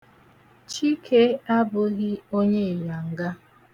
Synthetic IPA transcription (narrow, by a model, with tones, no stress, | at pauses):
t͡ʃi˦kʰe˦a˦bʊ˦ɣɪ˦o˦ɲe˦˨ja˨ŋ̩˨ɡa˦